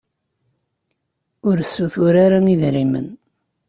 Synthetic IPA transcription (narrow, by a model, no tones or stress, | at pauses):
ʊɾəsːuθʊɾaɾaniðɾimə̰n